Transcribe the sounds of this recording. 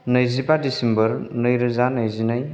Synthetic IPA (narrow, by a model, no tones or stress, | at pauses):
nɯjzipadisembəɾnɯjɾɯzanəjzinaj